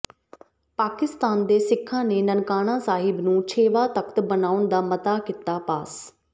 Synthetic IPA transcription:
paːkɪst̪aːnd̪eːsɪkʰːãːneːnənkaːɽ̃ãːsaːɦɪbnũːt͡ʃʰeːʋaːt̪əkt̪bənaːʊnd̪aːmət̪aːkɪt̪aːpaːs

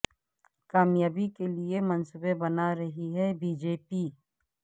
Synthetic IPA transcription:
kaːmjaːbikeliemɐnsʊbebɐnaɾɐɦiɦɛbiːd͡ʒeːpiː

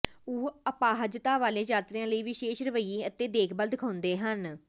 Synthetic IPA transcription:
uːəpaːɦəd͡ʒət̪aːʋaːleːd͡ʒaːt̪ɾɪjãːləiːʋɪʃeːʃɾəʋəiːiːət̪eːd̪eːkʰbəld̪ɪkʰãːʊ̃nd̪eːɦən

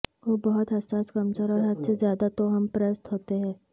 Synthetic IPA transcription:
ʋoːbɐɦʊt̪ɦɐsaːskɐmsəɾɔːɾɦɐd̪sezjaːd̪at̪oɦɐmpɾɛːst̪ɦoːt̪eɦɛ̃ː

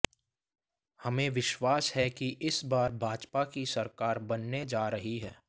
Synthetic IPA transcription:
hɐmẽʋɪʃwaːsɦɛkiʔɪsbaːɾbʱaːd͡ʒpakisɐɾkaːɾbɐnːed͡ʒaːɾɐɦiɦɛ̰ː

